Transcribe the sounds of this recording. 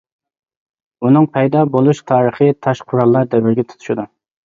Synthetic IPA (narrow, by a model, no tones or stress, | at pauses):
unɨŋpʰɛjd̪ɑbolˠuʃt̪ʰɑːɾəχɨt̪ʰɑʃqʰʊɾɑlˠːɑɾd̪ɛvɪɾɡʲɛt̪ʰu̥t̪ʰu̥ʃid̪u